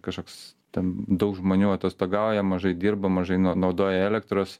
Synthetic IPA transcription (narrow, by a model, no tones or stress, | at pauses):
kɐʃkoːkst̪ʲɛnd̪ɐʊkʒmoːnʲuːɐt̪ʲɐst̪oːɡɐˑʊjɛmɐʒɐɪdʲiːɾbɐmɐʒɐɪnnɐʊd̪oːjɛɛːlʲɛkt̪ɾoːs